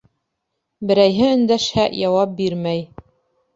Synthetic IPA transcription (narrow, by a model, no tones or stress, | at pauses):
bɘ̆ɾæjɦɘɵ̆nd̪æʃhæʔjɑwɑp̚biɾmæj